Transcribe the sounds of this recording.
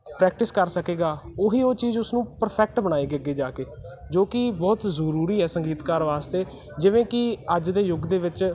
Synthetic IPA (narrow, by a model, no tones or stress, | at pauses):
pɾɛːk̚ʈɪskəɾsəkeːɡaːoːɦiːoːt͡ʃiːzʊsnũːpəɾpʰɛːk̚ʈbəɽaːiːɡeːɡeːd͡ʒaːkeː | d͡ʒoːkɪbɔːt̪zəɾuːɾiːɛːsəŋɡiːt̪kaːɾʋaːst̪eː | d͡ʒɪʋẽːkɪəd͡ʒd̪eːjʊɡd̪eːʋɪt͡ʃ